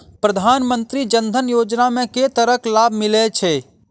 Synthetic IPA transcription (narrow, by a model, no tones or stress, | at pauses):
pɾəd̪ʱaːnmənt̪ɾid͡ʒənd̪ʱənjoːd͡ʒnamẽket̪əɾəklaːbʱmɪlet͡ʃʰeː